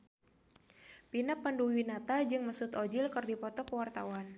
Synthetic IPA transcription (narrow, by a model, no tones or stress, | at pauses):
pinapːənduwinat̪ad͡ʒɨŋməsʊt̪ɔd͡ʒɪlkɨrdipɔt̪ɔkəwart̪awan